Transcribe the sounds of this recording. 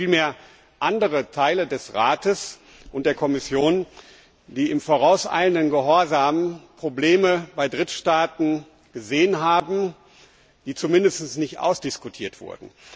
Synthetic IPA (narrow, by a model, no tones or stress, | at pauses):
fiːlmeːɐ | ʔandəʁətʰaɪlədɛsʁa̰ːtəs | ʔʊnt̚d̥eːɐkʰɔmɪsjoːn | d̥iːɪmfoʁ̞aʊsʔa̰ɪləndənɡəɦɔɐzaːmənpʁ̥obleːməbaɪdʁɪtʃtaːtn̩ | ɡ̥əzeːənɦaːbm̩ | d̥iːt͡sumɪndəstn̩snɪçtʔa̰ʊsd̥ɪskutʰiːɐtv̥ʊ̰ɐdn̩